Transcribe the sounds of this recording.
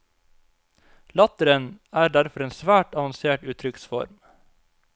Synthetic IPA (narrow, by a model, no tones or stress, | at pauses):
lɑt̪əɾənæːɾɖ̪æɾfɔɾeːnsʋæːʈɑʋɑnseːʈʉːt̪ʰɾʏksfɔ̰ɾm